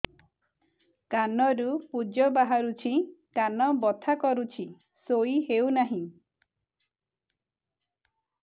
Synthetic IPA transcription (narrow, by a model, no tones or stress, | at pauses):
kanɔɾupud͡ʒɔbaɦaɾut͡ʃʰikanɔbɔt̪ʰakɔɾut͡ʃʰi | soiɦeunaɦĩ